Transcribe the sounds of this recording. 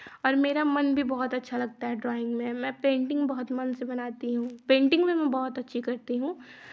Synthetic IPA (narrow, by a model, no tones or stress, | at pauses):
ɔːɾmeːɾamɐnbʱibɔɦʊt̪ɐtːʃʰalɐɡ̚t̪aɦɛɖɾɔːɪ̃ŋɡmẽmɛ̃ːpẽːɳʈɪ̃ŋɡbɔɦʊt̪mɐnsebɐnaːt̪iɦũpẽːɳʈɪ̃ŋɡmẽmɛ̃bɔɦʊt̪ɐtːʃʰikɐɾt̪iɦũː